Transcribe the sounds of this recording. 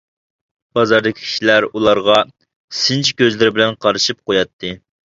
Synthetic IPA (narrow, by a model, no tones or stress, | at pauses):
b̥ɑzɑɾd̪ɪkʲi̥kʲʰi̥ʃilæɾulˠɑɾʁɑ | sɪnt͡ʃʰkʲøzlɪɾɪbɪlɛnqʰɑɾɨʃɨp̚qojɑt̪ʰːɨ